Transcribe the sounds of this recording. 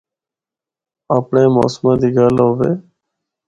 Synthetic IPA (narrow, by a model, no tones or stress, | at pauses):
aːpɳeːmo̰ːsmãːd̪iːɡaːloːʋeː